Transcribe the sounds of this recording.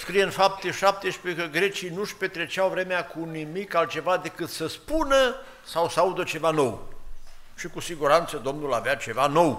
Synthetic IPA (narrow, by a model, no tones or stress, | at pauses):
skɾijenfap̚t̪eʃap̚t̪eʃpekəɡɾe̞t͡ʃijnuʃpe̞t̪ɾe̞t͡ʃawvɾe̞meakʰunimikalt̪̚t͡ʃe̞vad̪e̞kɨt̪səspunə | sawsəaud̪ət͡ʃe̞vano̞w | ʃikusiɡuɾant̪səd̪o̞mnulaveat͡ʃe̞vano̞w